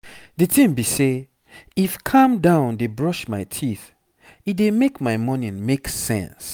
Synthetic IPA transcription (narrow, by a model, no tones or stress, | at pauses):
dɨtʰĩmbise | ifkʰãmdãʊ̃ndebɹɔʃmaɪtʰiθ | idemekmaɪmɔnĩnmeksɛ̰̃ns